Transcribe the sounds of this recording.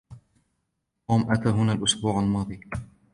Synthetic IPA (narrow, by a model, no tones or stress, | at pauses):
ʔoːmʔat̪aːɦʊnaːlʔʊsbuːʕalmɑːðˤij